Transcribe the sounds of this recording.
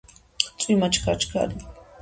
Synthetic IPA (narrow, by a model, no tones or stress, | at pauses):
t͡sʼimat͡ʃʰkʰat͡ʃʰkʰa̰ːdi